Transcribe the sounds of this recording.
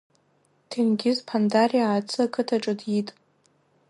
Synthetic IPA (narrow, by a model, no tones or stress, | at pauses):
tʰenɡʲɪzpʰandarijaaːt͡sʰɨakʰʼɨtʰaʈ͡ʂʼɨdjitʼ